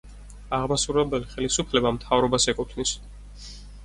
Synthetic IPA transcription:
aʁmasuɾɛbɛliχɛlisupʰlɛbamt̪ʰavɾɔbasɛkʼut̪ʰnis

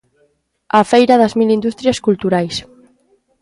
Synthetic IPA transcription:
afejɾɐðɐzmilind̪ust̪ɾjɐskult̪uɾajs

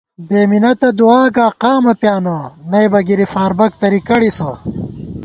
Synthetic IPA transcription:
beːminɐt̪ɐd̪uaːɡaːqaːmɐpjaːnɐnɐjbɐɡiɾifaːɾbɐk̚t̪ɐɾikɐɽisɐ

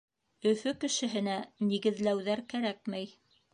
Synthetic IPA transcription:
ɵ̆fɵkɘ̆ʃɘ̆ɦɘ̆næniɡɘ̆ðlæwðæɾkæɾæk̚mæj

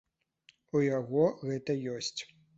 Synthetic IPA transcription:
ujaɣɔɣɛt̪ɐjɔsʲt͡sʲ

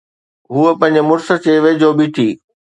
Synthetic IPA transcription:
ɦuːəpɐ̃ɦɪ̃ɲ̆d͡ʑɪmʊɾsə̆t͡ɕeːʋed͡ʑoːbʱiʈ̪ʰiː

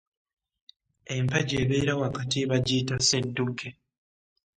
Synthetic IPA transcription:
empaɟeβeːɾawakatiβaɟitasedːuke

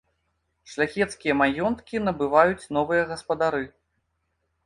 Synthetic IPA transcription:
ʂlʲaxʲɛt̪skʲijɐmajɔnt̪kʲinɐbɨvajut͡sʲn̪ɔvɨjɐɣɐspɐd̪aɾɨ

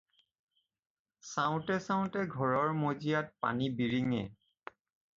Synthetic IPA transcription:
saʊ̃tɛsãʊ̃tɛɡʱɔɹɔɹmozijat̚pa̰nibiɹiŋɛ̰

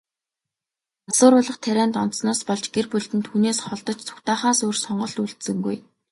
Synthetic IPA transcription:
asʊːɾʊːɮə̆χt̪ʰæɾæːnt̪ɔn̥t̪snɔːspɔɮt͡ɕɡerpɵɮt̪ɘ̆nt̪ʰuːneːsχɔɮt̪ɞ̆t͡ɕt͡sʰʊ̥xt̪aːχaːsuːrsɔɴɢɞ̆ɬt̪uɮt̪sɘ̆ŋɡṵj

